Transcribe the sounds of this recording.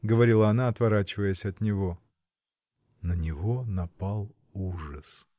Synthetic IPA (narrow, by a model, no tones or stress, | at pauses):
ɡəvɐɾʲilˠəɐnaɐt̪vɐɾat͡ɕɪvəjəsʲɐt̪nʲɪvo | nənʲɪvonɐpalˠ | uʐəs